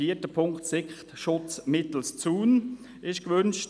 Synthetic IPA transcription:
iːtəpʰʊŋktsɪkχtʃʊt͡smɪt̪l̩st͡suːn | ʔɪʃɡ̥əvʏnʃ

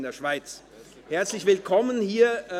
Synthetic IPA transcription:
ndeːɐʃv̥aɪt͡s | hɛɐt͡slɪçv̥ɪlkʰɔmənhiːɐ

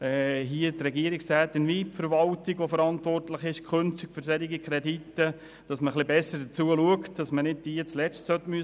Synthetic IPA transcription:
ɛɦiətɾɛɡiəɾɪksɾæːt̪ːɪnʋiːpfəɾʋɑltiɡʋofəɾɑntʋɔrtləχɪʃkʰχɵnftikføɾsɛɾiɡikʰɾɛditːə | d̥ɑsməχlibɛsːəd̥ət͡suəluəktd̥ɑsmənɪdd̥iət͡slɛt͡stsœtːmy

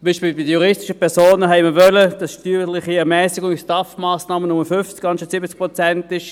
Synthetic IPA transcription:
mbiːʃpiːlbɪdəjuʁɪstɪ̥ʃəpʰɛʁsoːnəɦɛɪməvœləd̥ɑsʃtyːlɪχiɛɐmɛːsɪɡʊŋistɑfmaːsnɑːmənʊməfʏft͡skɑnʃətsɪbət͡sk̚pʁot͡sɛntɪʃ

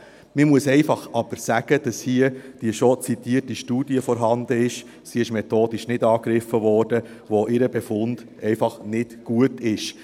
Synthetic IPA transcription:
mɪmuəsɛɪfɑχɑb̥əɾsæɡ̥əd̥ɑshiəd̥iəʃot͡sit̪iːərtiʃtuːd̥iəfɔɾɦɑnd̪əɪʃ | siɪʃmɛt̪oːd̥ɪʃnɪdɑːkɾɪfːəʋɔːrd̥ə | ʋoʔɪɾəbefʊnd̥ | ɛɪfɑχnɪtɡ̥uətɪʃ

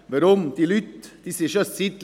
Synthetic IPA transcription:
ʋɛɾɔmt̪ʰɪlʉt̪d̪̥ɪsəɕœssɪt̪l

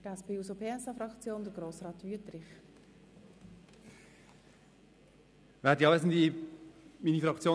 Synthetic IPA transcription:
æspeːusopʰeːɛsɑfɾɑkt͡sjoːndəɡɾoːsʁɑːtvyətɾɪχ | vɛːdiɑvɛsndi | miːnifɾɑkt͡sjoː

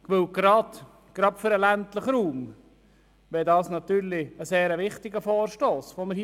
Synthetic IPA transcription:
ʋɵwɡ̥ɾɑd̪̥ | ɡ̥ɾɑdfɵɾəlæntləχɾuːm | ʋɛdɑːsnɑt̪yːɾlɪəseːɾəʋɪχtɪɡəfɔːɾʃtoːsʋoməɾhi

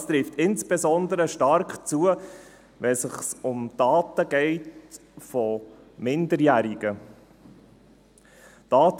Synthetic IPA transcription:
st̪ɾɪftɪnt͡sb̥ɛzɔnd̪əɾəʃtɑɾkt͡suə | ʋɛsəχsʊmd̥ɑːtəɡ̥ɛɪtfɔ | mɪndəɾjæɾiɡ̥ə | d̥ɑːt

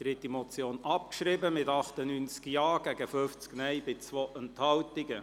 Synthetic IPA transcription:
d̥ɾɪtimɔt͡sjoːnɑp̚kʃrɪbəmɪtɑχt̪ənyːnt͡skjɑːɡ̥æɡəføft͡sknɛjbɪt͡sʋoʔɛnthɑltɪɡə

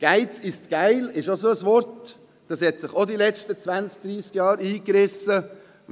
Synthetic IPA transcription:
ɡ̥aɪt͡sɪst͡sɡ̥aɪlɪʃosoəsʋɔɾt | d̥ɑshɛt̪sɪχod̪ilɛʃtət͡sʋænsk̚d̥̪ɾiːskjɑːɾiːkɾɪsə

